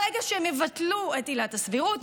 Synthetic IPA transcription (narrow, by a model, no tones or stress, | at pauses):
eɡaʃeemevatluetilatasviʁut